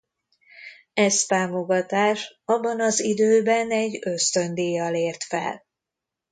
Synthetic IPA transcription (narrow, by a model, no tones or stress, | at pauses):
ɛst̪aːmo̞ɡɒt̪aːʃɒbːɒnɒzid̪øːbɛnɛɟːø̞st̪ø̞nd̪iːjɒleːrt̪fɛ̰l